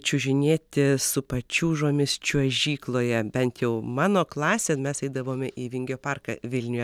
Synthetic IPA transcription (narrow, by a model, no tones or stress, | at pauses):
t͡ʃʲʊʒʲɪnʲeːt̪ʲɪsʊpɐt͡ʃʲuːʒoːmʲɪst͡ʃʲuɔʒʲiːklˠoːjɛbʲɛnt̪jɛʊmɑːnoːklˠɑːsʲeːmʲɛsɐɪd̪ɐʋoːmʲɛʔiːʋʲɪŋʲɡʲoːpɑrkɐʋʲɪlʲnʲʊjɛ